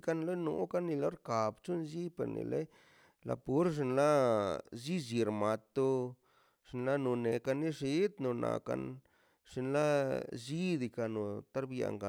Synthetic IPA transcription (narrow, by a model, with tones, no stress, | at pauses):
ka˦nlo˦no̰˨ka˦nːi˧lo˦ɾka˨bt͡ʃu˦nzi˦pḛ˨ɾnḭ˨le˦ | la̰˧pu˦ɾʐ̬i˧nla˦zi˦zi˧ɾma˨˧t̪o˧ | ʂi˧nla˦no˨ne˨ka˧ni˦ʂi˦t̪no˨nʔa̰˨ka̰˧n | ʂi˧nla˦zi˦d̪i˧ka˧no˨t̪a˦ɾbja̰˨ŋɡa˨